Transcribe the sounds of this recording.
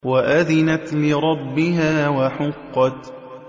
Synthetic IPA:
waʔaðɪnat̪lɪɾˤɑbːɪɦaːwaħʊqːɑt̪

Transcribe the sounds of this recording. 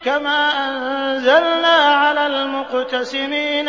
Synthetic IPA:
kamaːʔanzalnaːʕalaːlmʊqt̪asɪmiːn

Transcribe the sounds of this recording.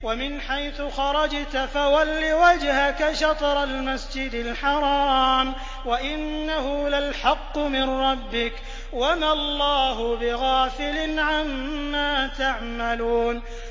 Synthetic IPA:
wamɪnħajθʊxɑɾˤɑd͡ʒt̪afawalːiwad͡ʒhakaʃɑt̪ˤɾˤalmasd͡ʒɪd̪ɪlħɑɾˤɑːm | waʔɪnːaɦʊlalħɑqːʊmɪnɾˤɑbːɪk | wamalˤːɑːɦʊbɪɣaːfɪlɪnʕamːaːt̪aʕmaluːn

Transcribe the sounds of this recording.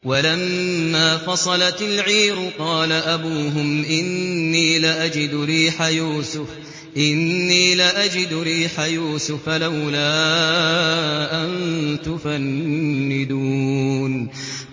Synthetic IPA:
walamːaːfɑsˤɑlɑt̪ɪlʕiːɾʊqɑːlaʔabuːɦʊmʔɪnːiːlaʔad͡ʒɪd̪ɾiːħajuːsʊf | ʔɪnːiːlaʔad͡ʒɪd̪ɾiːħajuːsʊfalawlaː | ʔant̪ʊfanːɪd̪uːn

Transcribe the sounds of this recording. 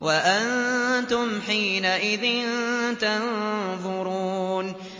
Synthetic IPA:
waʔant̪ʊmħiːnaʔɪðɪnt̪anðˤʊɾuːn

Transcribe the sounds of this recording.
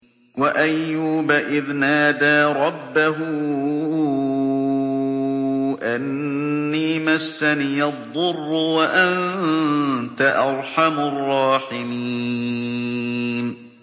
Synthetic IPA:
waʔajːuːbaʔɪðnaːd̪aːɾˤɑbːaɦʊ | ʔanːiːmasːaniːʔɑðˤːʊrˤːʊwaʔan | t̪aʔɑɾˤħamʊrˤːɑːħɪmi | n

